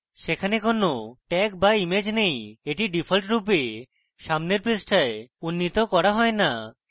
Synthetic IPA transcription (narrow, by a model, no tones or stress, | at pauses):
ʃekʰanekonoʈɛk̚baimed͡ʑnejeʈiɖipʰalʈɾupe | ʃamneɾpɾesʈʰaeunːit̪okɔɾaɦɔena